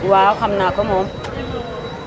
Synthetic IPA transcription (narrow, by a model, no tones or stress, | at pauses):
waxamnakɔmo